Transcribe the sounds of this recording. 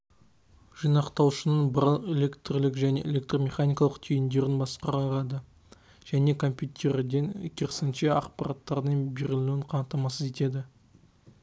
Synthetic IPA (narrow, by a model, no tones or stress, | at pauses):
ʒ̥ijnɑqt̪ɑwʃənəɴbəɾəlˠe̞lʲe̞kt̪rlɪkʒæne̞ʔḛlʲe̞k̚t̪ro̞mʲe̞χanʲijkɑlˠəqt̪ʰejɪnd̪e̞ɾɪnbɑsqəɾɑɾɑd̪ə | ʒ̥æne̞kʰo̞mpʲjut̪ʲʰe̞ɾd̪eŋkʲʰeɾsɪnʃe̞ɑqpɑɾɑt̪ːɑɾd̪əɴbeɾɪluwɪɴqʰɑnt̪ːɑmɑsəze̞t̪e̞d̪ɪ